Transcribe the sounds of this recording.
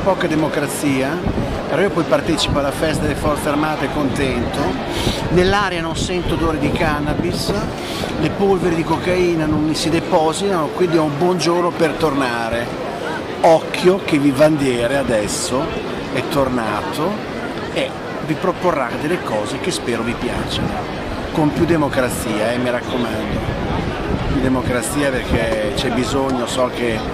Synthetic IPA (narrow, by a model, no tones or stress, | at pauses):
pɔːkad̪emokɾat̪sːiːa | peɾɔiːopɔjpart̪ɛt͡ʃi̥poalːafɛs̬t̪ad̪elefɔrt̪searmaːt̪ekːont̪ɛnt̪o | nelːaːɾjanonsɛnt̪od̪oːɾed̪ikanːabis | lepolveɾid̪ikokaiːnanonːisid̪epɔzit̪anokwind̪iɔumbwɔnd͡ʒornopert̪ornaːɾe | ɔkʰːjok̟evivand̪jɛːɾead̪ɛsːo | ɛt̪ːornaːt̪o | e | vipɾoporːad̪elːekɔːzekespɛːɾovipja̰ːt͡ʃen | konp̪jud̪emokɾat̪siːaɛmiɾakːomand̪i | p̪jud̪emokɾat̪sːiːaperkʰet͡ʃɛbizoɲːosɔk̟ːe